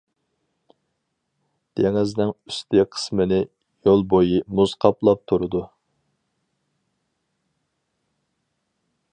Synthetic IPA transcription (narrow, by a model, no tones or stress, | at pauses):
d̪̥eŋɪznɪŋyst̪ʰɪqʰə̥smɨnɪ | jolˠbojimuzqʰɑplˠɑp̚t̪ʰuɾɨd̪u